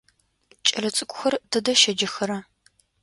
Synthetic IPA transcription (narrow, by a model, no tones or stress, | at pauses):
t͡ʃʼɐɮɐt͡sʼɨkʷʼʊxɐrdɨdɐʃɐd͡ʒɪxɐɾɐ